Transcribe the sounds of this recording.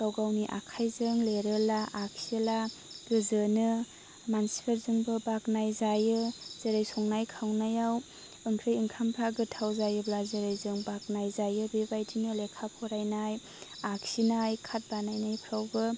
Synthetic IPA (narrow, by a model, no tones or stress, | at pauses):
ɡ̥awɡawniʔa̰kʰajzɯŋleɾɯlaʔak̚silaɡɯzɯnɯ | mansi̥pʰeɾzɯŋbɯbaknajzajɯz̥eɾajsɔŋnajkʰawnajaw | ɯŋkʰɾɯjɯŋkʰampʰɾaɡɯtʰawzajɯblazɯɾɯjzɯŋbak̚najzajɯbebajtʰinɯlekʰapʰɔɾajnaj | ak̚sinajkʰat̚banajnajpʰɾawbɯ